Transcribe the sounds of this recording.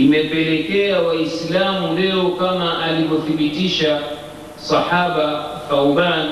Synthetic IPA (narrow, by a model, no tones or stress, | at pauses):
imɛpɛlɛkɛawaislamulɛɔkamaʔalivɔθiɓitiʃa | saħaɓafawban